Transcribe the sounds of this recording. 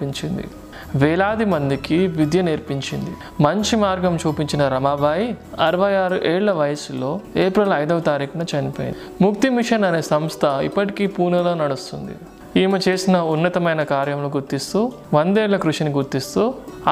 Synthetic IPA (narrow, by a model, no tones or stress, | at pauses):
piɲt͡ʃind̪ḭ | ʋɛːlaːd̪imɐnd̪ikiʋid̪jɐneːɾpiɲt͡ʃind̪ḭ | mɐɲt͡ʃimaːɾɡɐmt͡ʃuːpiɲt͡ʃinɐɾɐmaːbaːjiɐɾɐʋɐjaːɾuʔeːɭlɐʋɐjɐsulo̞ːeːpɾɐlɐjd̪ɐʋɐt̪aːɾiːkɐɳɐt͡ʃɐnipoːḭn | muk̚t̪imiʂɐnɐne̞ːsɐmst̪ʰɐḭpːɐʈikiːpuːɾnɐloːnɐɽust̪und̪ḭ | iːmɐt͡ʃe̞ːsinɐunːɐt̪ɐmɐjnɐkaːɾjɐmluɡuɾt̪ist̪uː | ʋɐnd̪eːɭːɐkɾuʂiniɡuɾt̪ist̪uː